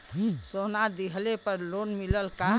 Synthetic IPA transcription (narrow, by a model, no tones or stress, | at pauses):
sonad̪iɦlepəɾlonmiləlka